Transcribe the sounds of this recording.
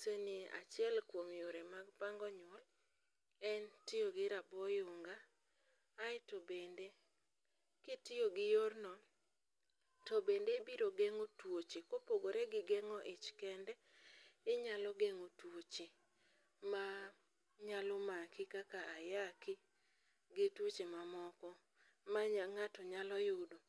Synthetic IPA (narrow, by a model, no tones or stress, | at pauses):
senia̰t͡ʃɪɛlkwomjoɾɛmaɡpaŋɡɔɲɔl | ɛntɪjoɡɪɾabɔjʊŋɡaː | ɪtobende | kɪtɪjoɡɪjornɔ | tobendebiɾoɡeŋotwot͡ʃekopoɡoɾɛɡɪɡɛŋɔʔɪt͡ʃkɛndɛ | ɪɲalɔɡeŋotwot͡ʃe | ma | ɲalʊmakɪkakaajakɪ | ɡetwot͡ʃemamɔkɔ | maaŋatɔɲalɔjʊdo